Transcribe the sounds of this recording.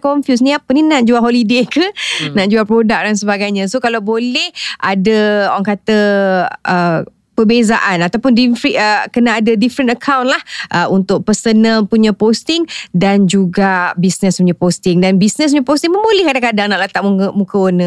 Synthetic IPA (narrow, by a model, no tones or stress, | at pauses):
kɔɱfjusnĩapəninaʔ̚d͡ʒuaɦolidekənaʔd͡ʒuapɾodak̚dans̬əbaɡajɲãsokalawbolɛhʔadəowaŋkat̪ə | ə | pəbezaʔanat̪awpʊndifɾiəkənaːdədifɾənəkʰawnlahʔəunt̪ʊk̚pəsənəpuɲãpost̪ɪŋdand͡ʒuɡabisnəspuɲãpost̪ɪŋdanbisnəs̬p̬uɲãpost̪iŋməmbolɛhkadakadaŋnaʔlət̪aʔmukəmukəonə